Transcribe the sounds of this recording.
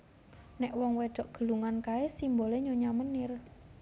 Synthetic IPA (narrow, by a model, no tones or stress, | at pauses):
nɛʔwɔŋweɖ̪̥ɔʔɡ̥ə̤luŋankaesimboleɲoɲamənɪr